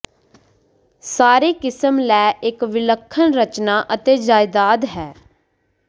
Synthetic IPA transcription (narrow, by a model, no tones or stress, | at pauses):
saːɾeːkɪsəmlɛːʔɪkʋɪləkʰːənɾət͡ʃnaːʔət̪eːd͡ʒaːɪd̪aːd̪ɦɛː